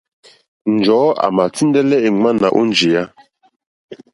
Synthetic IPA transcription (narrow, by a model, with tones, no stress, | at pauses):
n˨d͡ʒɔ˨˦a̰˨ma˨ti˦ndɛ˦lɛ˦e˨ŋ͡ma˦na˨ʔṵ˦nd͡ʒi˨ja˦